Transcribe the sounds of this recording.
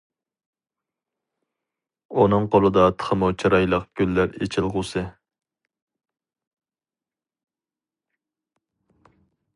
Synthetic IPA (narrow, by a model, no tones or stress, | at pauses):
unɨŋqolˠɨd̪ɑt̪ʰə̥χəmut͡ʃʰɑɾɑjlˠəqɡ̥ʲylːæɾet͡ʃʰɪlˠʁʊsɨ